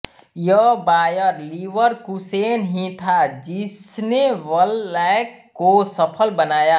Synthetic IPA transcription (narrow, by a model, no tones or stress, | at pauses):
jəbaːjəɾliʋəɾkuseːnɦĩt̪ʰad͡ʒɪsneʋəlːɛk | kosəpʰəlbənaːjaː